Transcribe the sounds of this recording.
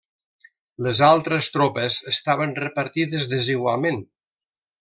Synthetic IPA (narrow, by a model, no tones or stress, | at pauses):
ləzalˠt̪ɾəst̪ɾopəzəst̪aβ̞ənrəpəɾt̪iðəzðəziɣwalˠmen